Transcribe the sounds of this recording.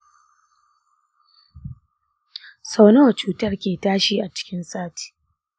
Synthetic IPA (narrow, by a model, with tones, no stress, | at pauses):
sa˦wnɐ˦wɐ˨t͡ʃuː˦tɐ˦rkʲeː˨taː˦ʃiː˦ʔa˨t͡ʃɪ̥˦kʲɪ˦nsaː˦ti̥ː˨